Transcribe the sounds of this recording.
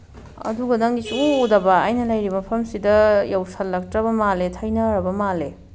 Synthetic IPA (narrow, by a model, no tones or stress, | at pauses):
ɐ̰duɡɐdɐŋɡisuodɐbɐa̰jnɐlɐjɾibɐpʰɐmsidɐjawsɐlːɐk̚tɾɐbɐmaletʰɐjnɐɾɐbɐmale